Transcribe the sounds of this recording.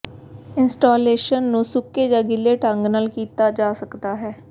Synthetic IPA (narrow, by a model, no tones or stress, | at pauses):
ɪnsʈaːleːʃənːũːsʊkːeːd͡ʒãːɡɪleːʈəŋɡnaːlkiːt̪aːd͡ʒaːsəkd̪aːɦɛː